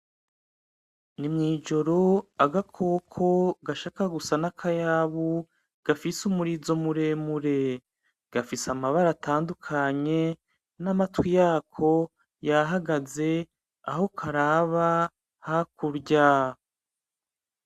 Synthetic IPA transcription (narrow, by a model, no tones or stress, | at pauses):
nimŋiːd͡ʒo̞ɾo̞aɡakʰo̞ːkʰo̞ɡaʃaːkaɡusanakʰajaβu | ɡ̥afisumuɾizo̞muɾe̞muɾe̞ | ɡ̥afisamaβaɾataːndukʰaɲe̞ | namatwijaːkʰo̞ | jaɦaɡaze̞ | a̰ɦo̞kʰaɾaːβa | hakuɾɟa